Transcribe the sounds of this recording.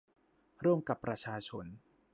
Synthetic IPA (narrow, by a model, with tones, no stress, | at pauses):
ɾɯ˥˩əmka˨˩pːɾa˧t͡ɕʰaː˧t͡ɕʰo˧˥n